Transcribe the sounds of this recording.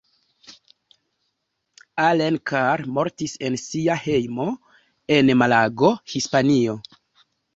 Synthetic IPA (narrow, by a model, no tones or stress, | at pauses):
alenkʰaɾmo̞ɾtise̞nsiahe̞jmo̞ | e̞nmalaɡo̞hispanio̞